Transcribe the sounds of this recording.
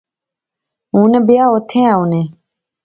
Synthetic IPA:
uːnebɪjaːot̪ʰẽːãːune

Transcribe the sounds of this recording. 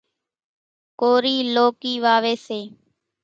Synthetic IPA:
koːɾiːloːkiːʋaːʋeːseː

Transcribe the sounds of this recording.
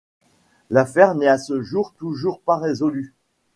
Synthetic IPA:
lafɛʁnɛasəʒuʁt̪uʒuʁpaʁezɔly

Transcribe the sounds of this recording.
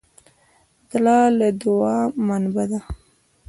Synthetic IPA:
d̪lɑlad̪ʊɑmanbad̪a

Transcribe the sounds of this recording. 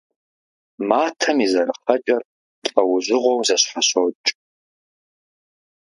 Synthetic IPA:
maːtʰɐmizɐɾɨχɐt͡ʃʼɐr | tʼqʼɐwʊʑʷɪʁʷɔwzɐɕħaɕot͡ʃʼ

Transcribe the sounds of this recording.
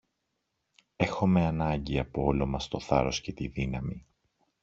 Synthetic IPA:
e̞xo̞me̞ɐnɐɲɟiɐpoo̞lo̞mɐst̪o̞θɐ̰ɾo̞sce̞t̪iðinɐmi

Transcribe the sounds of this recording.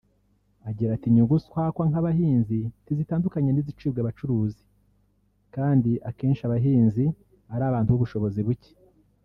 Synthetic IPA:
aɟiɾatiɲuɡuskwakwaŋhaβahiːnzitizitaːndukaɲenizit͡ʃiːbɡeβat͡ʃuɾuːzi | kaːndiʔake̞ːnʃiaβaɦiːnzi | aɾaːβaːntuβuβuʃo̞βo̞ziβuce̥

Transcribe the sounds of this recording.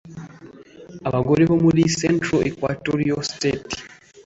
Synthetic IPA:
aβaɡoɾiβomuɾisentɾoekwatoɾiosteti̥

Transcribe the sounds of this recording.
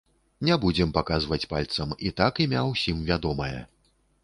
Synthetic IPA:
nʲɛbud͡zʲɛmpakazvɐt͡sʲpalʲt̪sɐmit̪akimʲawsʲimvʲad̪ɔmɐjɛ̰

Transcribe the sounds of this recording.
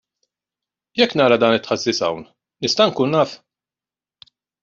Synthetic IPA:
jɛkːnɐːɾɐd̪ɐːnɪt̪ħɐzːiːsɐ̰wn | nɪst̪ɐŋkuːnːɐːf

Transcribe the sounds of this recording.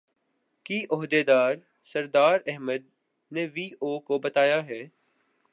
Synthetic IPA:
kiʔʊɦd̪ed̪aːɾ | sɐɾd̪aːɾɛɦməd̪̚ | neʋiːoːkobɐt̪aːjaɦɛː

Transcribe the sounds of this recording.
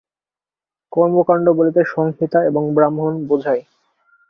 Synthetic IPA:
kɔɾmokaɳɖobolit̪eʃɔŋɦit̪aeboŋbɾamɦonbod͡ʑʱae

